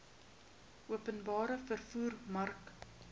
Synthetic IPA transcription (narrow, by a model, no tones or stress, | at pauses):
ʔuəpənbɑːɾəfərfuːrmɐrk